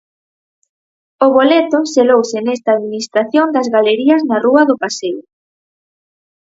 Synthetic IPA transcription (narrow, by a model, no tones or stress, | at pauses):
ʊβolet̪ʊselowsɪnɛst̪aːðminist̪ɾaθjond̪ɐzɣaleɾiɐznɐruɐðʊpasew